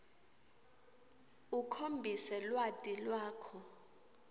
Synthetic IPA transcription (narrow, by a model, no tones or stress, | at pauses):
ukʰombʱisɛlwad̥ʱʼilwaːkʰɔ